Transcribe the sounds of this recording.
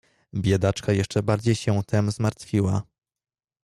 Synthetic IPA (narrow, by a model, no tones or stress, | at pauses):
bʲjɛd̪at͡ʂkajɛʂt͡ʂɛbaɾd͡ʑejɕɛt̪ʰɛmzmaɾt̪fʲiwa